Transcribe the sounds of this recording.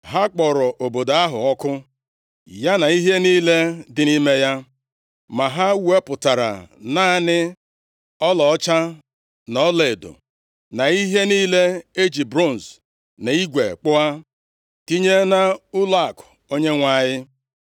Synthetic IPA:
ɦa˦k͡pɔ˨ɾɔ˨ʔo˨bo˨da˦ɦʊ˨ɔ˦kʊ˦ | ja˦na˨i˦ɦe˦niː˦le˦dɪ˨ni˦me˦ja˦ | ma˨ɦa˦we˦pʊ˨ta˨ɾa̰˨naː˦˨nɪ˦ | ɔ˦lɔ˨ɔ˦t͡ʃa˦ | nɔ˦le˨dʊ̰˨ | na˨i˦ɦe˦niː˦le˦e˦d͡ʒi˨bɾo˦˨n̩˨s | ne˨i˦ɡʷḛ˨k͡pʊ˦a˦ | ti˦ɲe˦na˦ʊ˦la˦˨kʊ̥˨o˦ɲe˦ŋʷa˦˨ɲɪ˦

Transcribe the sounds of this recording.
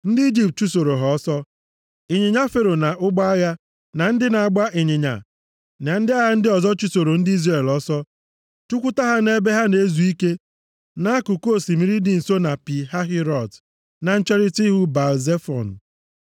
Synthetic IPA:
n̩˦dɪ˦i˦d͡ʒi˦p̚t̚t͡ʃu˦so˨ɾo˨ɦɔ˨˦sɔ˦ | ɪ˨ɲɪ˨ɲa˦fe˦˨ɾo˨na˨ʔʊ˦ɡ͡ba˦a˦ja˦ | na˨n̩˦dɪ˦na˨a˨ɡ͡ba˦ʔɪ˨ɲɪ˨ɲa̰˨ | na˨n̩˦dɪ˦a˦ja˦n̩˦dɪ˦ɔ˨zɔ˦t͡ʃu˦so˨ɾo˨n̩˦dɪ˦i˦zre˦˨lɔ˦sɔ˦ | tu˦kʷu˦ta˦ɦa˦ne˦be˦ɦa˦ne˨˦zu˨i˦ke˦ | na˦a˦kʊ˨ko˦˨si˨mi˦ɾi˦dɪ˨n̩˨so˦na˨pi˨ɦa˦ɦi˦ɾɔ˨t | na˨n̩˦t͡ʃe˦ɾɪ˦ti˦ɦu˦ba˨lze˦fɔ̰˨n̩˨

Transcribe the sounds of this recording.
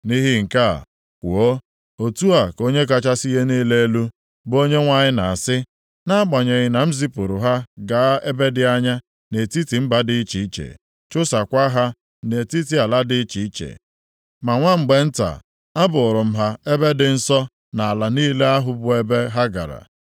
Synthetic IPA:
ni˦ɦi˦ŋ̩˨ka̰˦˨ | kʷu˨o˦ | o˨tu˦a˨ko˦ɲe˦ka˦t͡ʃa˦si˦ɦe˦ni˦le˦e˦lu˦ | bo˦ɲe˦ŋʷa˦˨ɲɪ˦na˨a˨sɪ˦ | na˦a˦ɡ͡ba˨ɲe˨ɣɪ˨na˨m̩˦zi˦pʊ˨ɾʊ˨ɦa˦ɡa˨a˦e˦be˦dɪ˨˦a˦ɲa˦ | ne˨ti˦ti˨m̩˦ba˦dɪ˦i˦t͡ʃi˨i˦t͡ʃḛ˨ | t͡ʃʊ˦sa˨kʷa˦ɦa˦ | ne˨ti˦ti˦a˨la˦dɪ˦i˦t͡ʃi˨˦i˦t͡ʃḛ˨ | ma˨ŋʷa˦ŋ͡m̩˨ɡ͡be˨n̩˦ta̰˨ | a˦bʊ˨ʊ˨ɾʊ˨m̩˦ɦa˦e˦be˦dɪ˨n̩˦sɔ˦ | na˨a˨la˨niː˦le˦a˦ɦʊ˦bʊ˦e˦be˦ɦa˦ɡa̰˨ɾa̰˨

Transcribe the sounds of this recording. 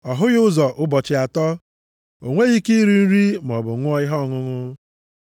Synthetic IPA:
ɔ˨ɦʊ˦ɣʊ˦zɔ˨ʔʊ˦bɔ˨t͡ʃɪ˨a˨tɔ˦ | o˨ŋʷe˦ɣi˦ki˦ɾi˦n̩˦ɾi˦m˨ɔ˨bʊ˨˦ŋʷʊ˦ɔ˦ɪ˦ɦɔ˦˨ŋʊ˦ŋʊ˦

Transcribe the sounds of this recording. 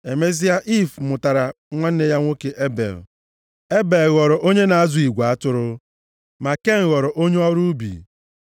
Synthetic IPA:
e˨me˦zɪ˦ja˦ʔi˦˨fmʊ˨ta˨ɾa˨ | ŋʷa˦n̩˦ne˦ja˦ŋʷo˦ke˨ʔe˦bḛ˨l | e˦be˨lɣɔ˨ɾʊ˨ʔo˦ɲe˦na˨a˦zʊ˨i˨ɡʷa˨a˦tʊ˦ɾʊ˦ | ma˨ke˦ŋ̩˨ɣɔ˨ɾʊ˨ʔo˦ɲe˦ɔ˦ɾu˦bḭ˨

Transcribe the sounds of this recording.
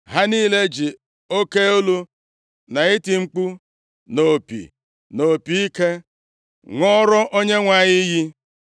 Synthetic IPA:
ɦa˦niː˦le˦d͡ʒi˨ | o˦ke˦u˦lu˦ | na˨ɪ˦ti˨ŋ͡m̩˦k͡pu˦ | no˨pḭ˨ | no˨pi˨i˦ke˦ | ŋɔ˦ɾɔ˦ʔo˦ɲe˦ŋʷa˨ɲɪ˦ji˦

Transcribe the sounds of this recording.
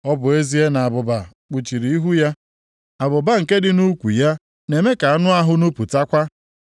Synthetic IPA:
ɔ˦bʊ˨e˦zi˦e˦na˨a˨bʊ˨ba˨ | k͡pu˨t͡ʃi˨ɾi˨i˦ɦu˦ja˦ | a˨bʊ˨ba˦ŋ̩˨ke˦dɪ˨nu˦kʷṵ˨ja˦ | ne˨me˦ka˨a˦nʊ˦a˦ɦʊ˦nu˦pu˨ta˦kʷa˦

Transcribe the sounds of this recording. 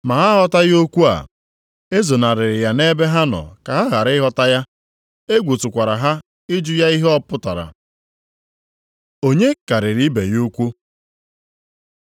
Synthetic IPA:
ma˨ɦa˦ɦɔ˦ta˦jo˦kʷu˦a̰˨ | e˦zo˨na˨ɾɪ˨ɾɪ˨ja˨ne˦be˦ɦa˦nɔ̰˨ka˨ɦa˦ɣa˨ɾɪ˦ɦɔ˦ta˦ja˦ | e˦ɡʷu˨tʊ˨kʷa˨ɾa˨ɦa˦ | ɪ˦d͡ʒʊ˦ja˦i˦ɦɔ˦pʊ˦ta̰˨ɾa̰˨ | o˦ɲe˦ka˨ɾɪ˨ɾi˦be˨jo˦kʷu˦

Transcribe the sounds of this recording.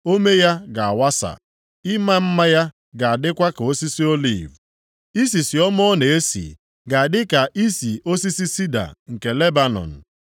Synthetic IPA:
o˦me˦ja˦ɡa˨a˨wa˦sa̰˨ | ɪ˦ma˦m̩˦ma˦ja˦ | ɡa˨a˨dɪ˦kʷa˦ka˨o˦si˦si˦o˦lḭ˨v | i˦si˨si˨ɔ˦mɔ˦ne˨e˦sḭ˨ | ɡa˨a˨dɪ˦ka˨ʔi˦si˨ʔo˦si˦si˦si˦da̰˨ŋ̩˨ke˨le˦ba˨nɔ̰˨n̩˨

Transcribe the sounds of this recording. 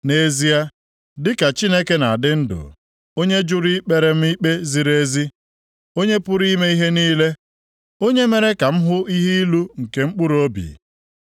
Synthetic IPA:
ne˨zi˦a˦ | dɪ˦ka˨t͡ʃi˦ne˦ke˦na˨dɪ˦n̩˦dʊ̰˨ | o˦ɲe˦d͡ʒʊ˦ɾi˦k͡pe˦ɾe˨m̩˦i˦k͡pe˦zi˨ɾe˦zi˦ | o˦ɲe˦pʊ˦ɾi˦me˦i˦ɦe˦niː˦le˦ | o˦ɲe˦me˦ɾe˦ka˨m̩˦ɦʊ˦i˦ɦi˦i˦lu˦ŋ̩˨ke˨ŋ͡m̩˦k͡pʊ˦ɾo˦bḭ˨

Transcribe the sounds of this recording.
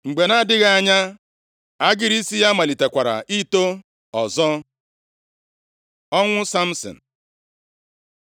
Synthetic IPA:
ŋ͡m̩˨ɡ͡be˨na˦˨dɪ˦ɣa˦˨a˨ɲa˦ | a˦ɡɪ˦ɾi˦si˦ja˦ma˨li˨te˨kʷa˨ɾa̰˨ʔi˦to˦ | ɔ˨zɔ˦ | ɔ˦ŋʷʊ˦sa˦m̩˦sɔ̰˨n̩˨

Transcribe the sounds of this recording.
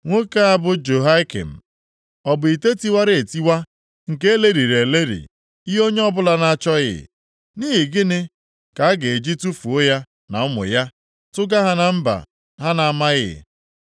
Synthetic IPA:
ŋʷo˦ka˦a˦bʊ˦d͡ʒo˨ɦa˦ɪ˦kḛ˨m̩˨ | ɔ˨bʊ˨i˨te˦ti˦wa˦ɾɪ˦e˨ti˦wa˦ | ŋ̩˨ke˦e˦le˦ɾi˨ɾe˨le˦ɾḭ˨ | i˦ɦo˦ɲe˦ɔ˦bʊ˦la˦na˦t͡ʃɔ˦ɣɪ̰˨ | niː˦ɦi˨ɡɪ˦nɪ˦ | ka˨a˦ɡe˨e˨d͡ʒi˦tu˦fu˨ʊ˦ja˦ | na̰˨ʊ˦mʊ̰˨ja˦ | tʊ˦ɡa˦ɦa˦na˨m̩˦ba̰˨ | ɦa˦na˨a˨ma˦ɣɪ̰˨

